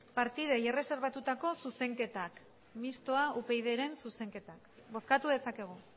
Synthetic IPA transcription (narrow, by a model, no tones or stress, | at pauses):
paɾt̪ið̞ejere̞se̞ɾβ̞at̪ut̪ako̞suse̞ŋke̞t̪ak | mist̪oaʔupe̞jð̞eɾe̞nsuse̞ŋke̞t̪akbo̞skat̪uðe̞sake̞ɣ̞u